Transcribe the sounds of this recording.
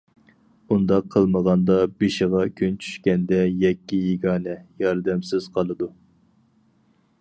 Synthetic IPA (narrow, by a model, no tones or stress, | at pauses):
und̪ɑqʰːəlˠməʁɑnd̪ɑbeʃɪʁɑkʲʰynt͡ʃʰy̥ʃkʲɛnd̪ɛjɛkʲːijiɡʲɑːnɛjɑɾd̪ɛmsɪz̥qʰɑlˠɨd̪u